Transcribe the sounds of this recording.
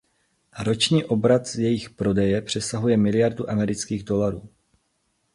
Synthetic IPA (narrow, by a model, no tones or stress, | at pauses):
ɾo̞t͡ʃɲiːʔo̞bɾat̪zjɛjɪxpɾo̞dɛjɛpr̝̥ɛsaɦujɛmɪlɪjaɾduʔamɛɾɪt͡skiːɣdo̞laɾuː